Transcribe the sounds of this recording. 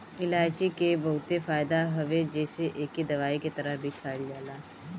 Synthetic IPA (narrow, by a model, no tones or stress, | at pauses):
ɪlaːt͡ʃekebɐɦʊt̪efaːɪd̪aɦɐʋed͡ʒɛːseʔeːkːid̪ɐʋaːiket̪ɐɾəbʱikʰaːld͡ʒaːlaː